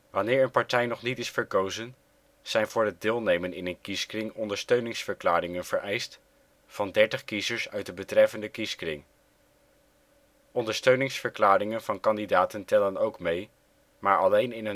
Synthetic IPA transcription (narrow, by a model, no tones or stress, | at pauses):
ʋɑnɪːɹənpɑɹtɛjnɔχnitɪsfəɹkowzən | z̥ɛjnvʊːɹɦəd̚dɪːlˠnejmənɪnənkiskrɪŋɔndəɹstøɥnɪŋsfəɹklaːɾɪŋənv̥əɹɛjst | fɑndɛɹtəχkizəɹsœɥt̚dəbətrɛfəndəkiskrɪ̰ŋ | ʔɔndəɹstøɥnɪŋsfəɹklaːrɪŋənvɑnkɑndidaːtəntɛlənowkmej | maːɹʔɑlejnɪn